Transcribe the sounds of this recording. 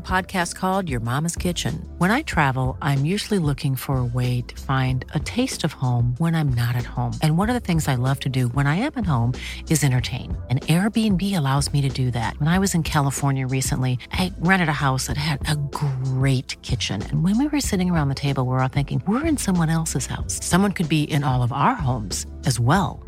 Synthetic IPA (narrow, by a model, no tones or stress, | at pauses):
pʰɑd̚kʰæst̚kʰɔlˠdjə˞mɑ̃mɨz̥kʰɪt͡ʃɨ̰̃nwə̃ɾ̃aɪtʰɹ̥ævl̩ˠʔãɪ̃mjʉʒl̩ˠilʊkʰɪ̃ŋfə˞əweɪɾɨ̥fãɪ̃ndɨtʰeɪstʌv̥hõʊ̃mwə̃nãɪ̃mnəɾɨt̚hõʊ̃mʔɨ̃nwʌɾʌ˞ðɨθɪ̃ŋzaɪlʌv̥tʰɨdɨwə̃ɾ̃aɪɨ̃mɨt̚hõʊ̃mɨzɛ̃ɾ̃ə˞tʰḛ̃ɪ̃nɨ̃nɛɹbiɨ̃nbiɨlaʊzmiɾɨdɨðæ̰t̚wə̃ñaɪwʌzɨ̃nkʰælˠəfɔɹnjɨɹisə̰̃nʔliʔaɪɹæ̃ɾ̃ɨɾɨhaʊsðɨtɨɾɨɡɹeɪt̚kʰɪt͡ʃɨ̰̃nɨ̰̃nwɨ̃nwiwə˞sɪɾɪ̃ŋə˞ãʊ̃nðɨtʰeɪbl̩ˠwə˞θɪ̃ŋkɪ̃ŋwɪɹɨ̃nsʌ̃mwʌ̃nɛlˠsɨz̥ha̰ʊsːʌ̃mwʌ̃nkʰɨd̚biʔɪ̃nɔlˠʌvaʊə˞ɦõʊ̃mz̥ | ɨzwɛlˠ